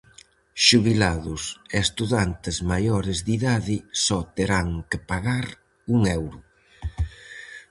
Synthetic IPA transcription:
ʃuβilaðʊseest̪uðant̪ɪzmajɔɾɪzðiðaðɪsɔt̪eɾaŋkɪpaɣaɾ | uŋɛwɾʊ

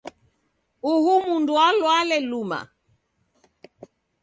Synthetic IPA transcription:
uhumundualwalɛluma̰

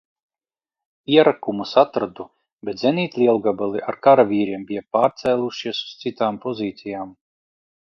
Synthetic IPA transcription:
iɛɾakumusat̪ɾad̪u | bɛt̪zʲeniːt̪ʲlʲiɛlˠuɡabalˠiʔaɾkaɾavʲiːɾiɛmbʲijapaːɾt̪sɛːlˠuʃiɛsu̥st̪sit̪aːmpɔziːt̪sijaːm

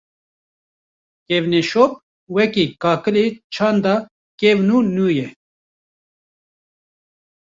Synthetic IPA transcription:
kɛvnɛʃop̚ | wɛkiːkɑːkɨlet͡ʃʰɑːnd̪ɑ | kɛvnuːnuːjɛ

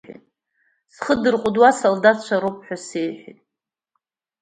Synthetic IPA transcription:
ḭtʼ | sχədɨrqʷʼʊdwasaldat͡ʃʷʰaɾop̚ʰʼħʷᶣasejħʷᶣḭtʼ

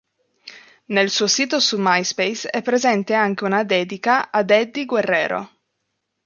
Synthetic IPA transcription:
nelsuːosiːt̪osumajspejsɛpːɾezɛnt̪eaŋk̟eunad̪ɛːd̪ikaad̪ɛd̪ːiɡwerːɛ̰ːɾo̰

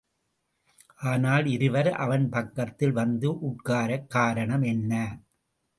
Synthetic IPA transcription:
ʔaːnaːlɪɾɯʋɐɾʔɐ̰ʋɐnpɐkːɐt̪ːɪlʋɐnd̪ɯʔʊʈkaːɾɐkːaːɾɐɳɐmɛnːɐ

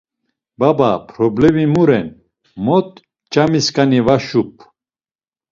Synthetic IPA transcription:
babapʰɾɔblɛmimuɾɛn | mɔt̪̚ | t͡ʃʼamiskʰʼanivaʃup̚ʰ

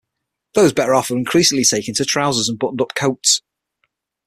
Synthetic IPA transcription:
ðoʊzbɛɾəɹɒfəɹɪ̃nkʰɹ̥iˑsɪ̃ŋlɪtʰeɪkɪ̃ntʰətʰɹ̥aʊzəzə̃nbʊʔn̩ʊp̚kʰoʊts

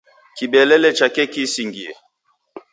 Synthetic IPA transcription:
kiɓɛlɛlɛt͡ʃakɛkisiŋɡiɛ̰

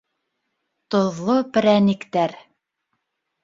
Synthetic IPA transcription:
t̪ŏðlːˠopɘ̆ɾænikt̪æɾ

